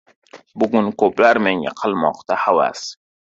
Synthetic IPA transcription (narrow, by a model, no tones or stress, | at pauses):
buɡʊnkoblaɾmenja̰qʰalmɔ̰qt̪ahawa̰s